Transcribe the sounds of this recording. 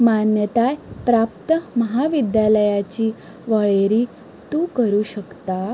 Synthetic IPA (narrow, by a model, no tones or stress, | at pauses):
manjət̪ajpɾap̚t̪əməɦaʋid̪jaləjat͡ɕiː | ʋəɭeɾiː | t̪ukəɾuːɕəkt̪a